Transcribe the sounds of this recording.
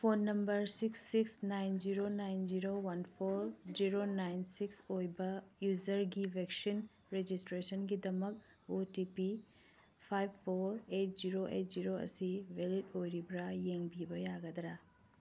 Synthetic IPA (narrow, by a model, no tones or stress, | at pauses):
pʰonːɐmbɐɾsiksːiksnajnziɾonajnd͡ʒiɾowɐnpʰoɾziɾonajnsiksojbɐjuzɐɾɡibeksin | ɾed͡ʒistɾesənɡidɐmɐk̚ | otipi | pʰajbpʰːoɾet̚ziɾoʔḛt̚ziɾoɐ̰sibʱelitojɾibɾajeŋbʱibɐjaɡɐd̪ɾa